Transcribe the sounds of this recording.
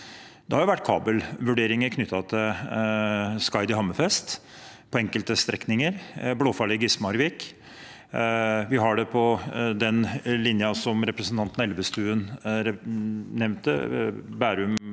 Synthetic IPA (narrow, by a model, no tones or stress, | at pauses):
d̪̥ɛhɑɾjʊʋæʈːkʰɑ̰ːbəlʋʉɖeːɾɪŋəɾkʰnʏt̪ʰːɑt̪ʰɪl | skɑɪd̪ɪɦɑməfɛst̪pʰɔɛŋkəlt̪əst̪ɾɛknɪŋəɾbloːfɑlɪɡɪsmɑɾʋɪk | ʋɪɦɑɖɛpʰɔd̪ɛnlɪnjɑsɔmɾɛpɾəsn̩t̪ʰɑnt̪nɛlʋəst̪ʉːənɾɛnɛʋnt̪ə̰bæːɾʉm